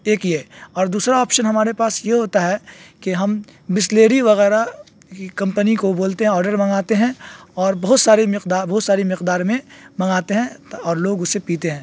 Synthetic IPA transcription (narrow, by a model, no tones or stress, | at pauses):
eːkjeːɔːɾd̪uːsɾaɔːpʃənɦɐmaːɾepaːsjeɦoːt̪aɦɛkeɦɐmbɪsleːɾiʋɐɣɛːɾa | kkɐ̃mpənikoboːlt̪eɦɛ̃ɔːɾɖəɾmɐ̃ŋɡaːt̪eɦɛ̃ɔːɾbɐɦʊt̪saːɾemɪqd̪aːɾbɐɦʊt̪saːɾimɪqd̪aːɾmẽmɐ̃ŋɡaːt̪eɦɛ̃ɔːɾloːɡʊsːepiːt̪eɦɛ̃ː